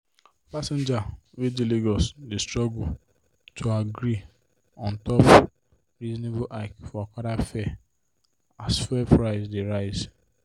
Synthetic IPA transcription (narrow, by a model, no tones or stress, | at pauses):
pasɛ̃nd͡ʒa | wediliɡɔsdestɹɔɡu | tʰoaɡɾi | ɔ̃ntɔp | ɹizɔnebʊʔakfɔakaɾafɛ | asfɛpɹaɪsdeɾaɪz